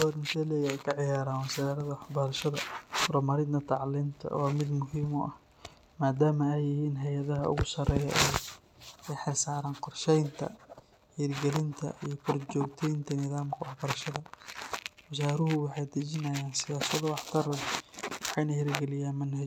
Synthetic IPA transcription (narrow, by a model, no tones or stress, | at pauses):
ɔːd̪ɪnsɛlɛjɛjkʰɐʕɪjaːɾaːnwɐsaːɾɐðɐwɑħbɐlʃɐðɐɾɔmɐɾɪd̪nɐt̪ʰɑʕlɪnt̪ʰɐ̰wɑːmɪd̪mʊɦiːmʊʔɐh | maːd̪aːmɐɛjɪhiːnɦɛjɐðɐɦɐ̰ʊ̰ɣʊsɐrɛːjɐ̰ʔɛ | ɛħɪsaːɾaːnqɔrʃɛjnt̪ʰɐ̰ | hiːrɡɛlɪnt̪ʰɐ̰ijɞkʰʊrt͡ʃɔːɡt̪ʰɛjnt̪ʰɐnɪðaːmkʰɐwɑħbɐɾɐʃɐðɐ | wɐsaːɾʊɦʊwɑħɑjd̪ɐt͡ʃɪnɐjaːnsɪjaːsɐðʊwɑħt̪ʰɐɾɛjwɑħɑjnɐhɛɾɡɛlɪjaːnmɐnhɐt͡ʃ